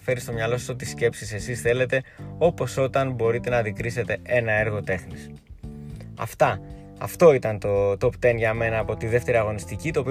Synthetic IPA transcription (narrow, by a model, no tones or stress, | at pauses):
fe̞ɾist̪o̞mɲɐlo̞sɐsot̪isce̞psisesisθe̞le̞t̪e̞o̞po̞so̞t̪ɐnbo̞ɾit̪e̞nɐðikɾise̞t̪e̞e̞nɐe̞ɾɣo̞t̪e̞xnis | ɐ̰ft̪ɐ | ɐ̰ft̪o̞it̪ɐnt̪ot̪o̞pt̪e̞nʝɐme̞nɐːpo̞t̪iðe̞ft̪e̞ɾiɐɣo̞nist̪icit̪oːpi